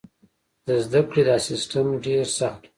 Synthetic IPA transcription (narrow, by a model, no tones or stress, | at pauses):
d̪əzd̪akɽid̪asɪsʈəmɖeɾsaxt̪